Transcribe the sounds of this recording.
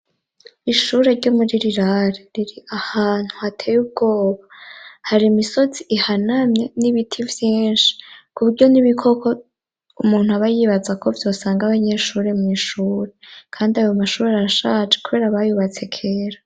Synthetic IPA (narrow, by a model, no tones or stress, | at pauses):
iʃuːɾe̞ɾɟo̞muɾiɾiɾaɾeɾiɾiahaːn̥huhatʰe̞ːjub̚ɡo̞ːβahaɾimiso̞ziihanamɲe̞niβitʰivjiːnʃi̥kuβuɾɟo̞niβikʰo̞ko̞ | umuːn̥uaβajiβazakʰo̞vjo̞ːsaːŋɡaβaɲe̞ɾʃuɾe̞mŋiːʃuːɾe̞kʰaːndiajomaʃuːɾeaaʃaːt͡ʃekuβe̞ːɾaβajuβat͡se̞kʰe̞ːɾa